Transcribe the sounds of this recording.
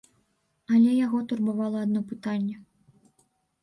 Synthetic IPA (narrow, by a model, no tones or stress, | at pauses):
ɐlʲɛjaɣɔt̪urbavalˠɐad̪nɔpɨt̪anʲːɛ